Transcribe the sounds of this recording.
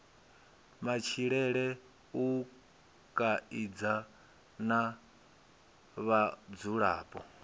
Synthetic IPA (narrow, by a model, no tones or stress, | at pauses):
mat͡ʃʰiɺɛɺɛ | u | kʼaid͡za | na | βad͡zuɺa̰ːpʼɔ̰